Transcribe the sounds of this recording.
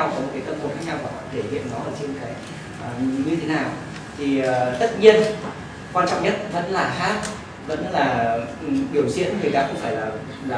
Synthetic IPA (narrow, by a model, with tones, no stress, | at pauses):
a˧wɔ˨˧˦mo˨˩kaː˨˦t̪ə˧mt̪o˨˩xaː˦˥k̚ɲa˧wkːɔ̰˧˨˩ke˧˩hḭ˧˨ənɔː˨˦˨t͡ɕkaː˨˦j | ʔəː˨˩ɲɨ˧e˨˦naː˨˩w | t̪ʰi˨˩˨t̪ə˦˥t̚ɲi˧ən | kwaː˧nt͡ɕɔ̰˧˨wŋ͡mɲə˦˥t̚və̰˧˥nlaː˨˩haː˦˥t̚ | və̰˧˥nlaː˨˩ʔɗi˨˧˩əwsi˧ən˨˦ŋɨ˨˩əjt̪aː˧xʊ˧wŋ͡mfaː˧˩jlaː˨˩ | laː˨